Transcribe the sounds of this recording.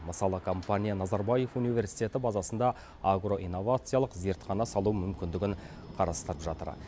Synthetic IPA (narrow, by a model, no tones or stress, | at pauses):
məsɑlˠəkʰo̞mpanʲijanɑzɑɾbɑje̞vunijvʲe̞ɾsi̥jt̪e̞t̪ɪbɑzɑsənd̪ɑ | aɡɾo̞ʔijnːo̞vat̪sɨjɑlˠəqze̞ɾt̪χɑnɑsɑlˠuəmʏmkʲɪnd̪ɪɡʲɪɴ | qʰɑɾɑst̪əɾəpʒɑt̪ə̰ɾ